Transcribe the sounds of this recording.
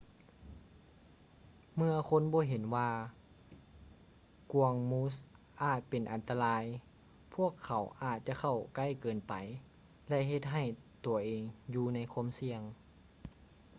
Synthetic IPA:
mɯ˧ɐkʰo˧˥˨nbɔː˧˦ɦe˨˦nwaː˧ | ku˨˧˩əŋmuː˧˥s̬ | ʔaː˨˩t̪̚pe˨nʔa˨˩nt̪a˧laː˧j | pʰu˥˩əkʰːa˨˦wʔaː˨˧˩t̪̚t͡ɕa˧kʰa˧˩wka˧˥˩jkɤː˨npa˨˩j | lɛ˧ɦe˧t̪̚ɦa˧˨˩jt̪u˨˩əʔeː˨ŋjuː˧na˧˥jkʰu˧˥˨msi˧əŋ

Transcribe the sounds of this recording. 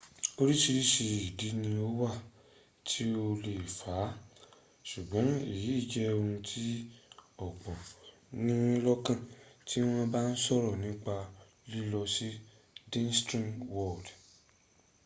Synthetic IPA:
o˦ɾi˦ʃi˧ɾi˦ʃe˧i˨di˨˦nĩ˧o˦wa˦˨ | tʰi˦o˧le˨fa˨˦ | ʃu˨ɡ͡bɔ̃˨˦i˦˨ji˨˦i˦˨d͡ʒɛ˦˧ũ˧tʰi˦ɔ˦˨k͡pɔ˨ | nĩ˦lɔ˦kã˦˨tʰi˦w̃ɔ̃˦ba˦n̩˦sɔ˦ɾɔ˨nĩ˦k͡pa˧ | li˦lɔ˧si˦ | dĩ˦nstɾĩ˦ŋwɔ˦˨d

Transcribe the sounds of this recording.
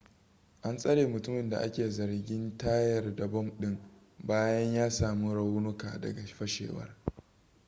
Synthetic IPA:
ʔa˦nsʼɐ˦ɽeː˨mʊ˨tʊ˦mɪ˨nda̰˨ʔa˦kʲeː˨zɐ˨rɡʲɪ˦ntaː˦jɐ˨rda˨bɔ˦mɗɪ˦ŋ | baː˦jɐ˦ɲjaː˦saː˨mu˦ɽɐ˦wʊ˦nʊ˦ka̰ː˨dɐ̰˨ɡa˨ɸɐ˦ʃḛː˨wɐ̰˦r

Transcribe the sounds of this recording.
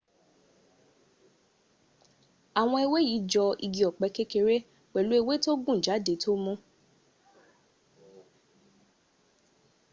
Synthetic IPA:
a˨w̃ɔ̃˧e˧we˦ji˨˦d͡ʒɔ˧ḭ˧ɡi˧ɔ˨k͡pɛ˧ke˦ke˧ɾe˦ | k͡pɛ˨lu˨˦e˦˧we˦to˦ɡũ˦˨d͡ʒa˨˦de˨˧to˦mɔ̃˦

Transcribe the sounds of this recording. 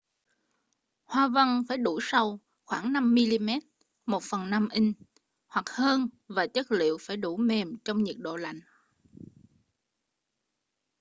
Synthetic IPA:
hwaː˧və˧nfaː˧˩jɗu˧˩sa˧w | xwaː˧˩ŋna˧mːi˧li˧mɛ˦˥t̚ | mo˨˩t̚fə˨˩nːa˧mʔï˧ŋ̟ | hwa˨˩k̚həː˧n | vaː˨˩t͡ɕə˦˥t̚lḭ˧˨əwfaː˧˩jɗu˧˩me˨˩mt͡ɕɔ˧wŋ͡mɲi˨˩ək̚ɗo̰˧˨la̰˧˨jŋ̟

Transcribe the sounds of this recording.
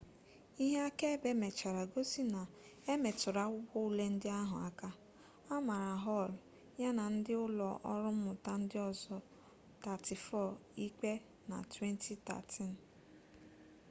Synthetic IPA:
i˦ɦe˦a˦ke˦be˦me˨t͡ʃa˨ɾa˨ɡo˦si˦na˨ | e˦me˨tʊ˨ɾa˦wʷʊ˦kʷɔ˦u˦le˦n̩˦dɪ˦a˦ɦʊ̰˨a˨ka˦ | a˦ma˨ɾa˨ɦɔ˦˨ɾʊ˨ | ja˦na˨n̩˦dɪ˦ʊ˦lɔ̰˨ʔɔ̰˦ɾʊ˦m̩˦mʊ˨ta˦n̩˦dɪ˦ɔ˨zɔ˨ | ta˨ti˨fɔ˦˨i˦k͡pe˦ | na̰˨twe˦ntʰi˦ta̰˨tʰi˦n̩˨

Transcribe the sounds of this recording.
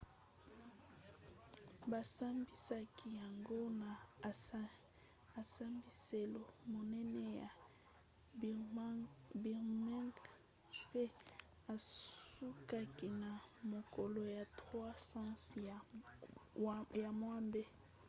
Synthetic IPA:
ba˨sa˦mbi˨sa˦ki˨ja˨ŋɡo˦na˨ | a˨sa˦mbi˨se˨lo˨mo˨nɛ˦nɛ˦ja˨ | bi˨ʁma˦ŋk | pe˦ | a˨su˦ka˦ki˨na˨mo˨ko˨lo˨ja˨tʁwa˦sã˦s | ja˨mwa˦mbe˦

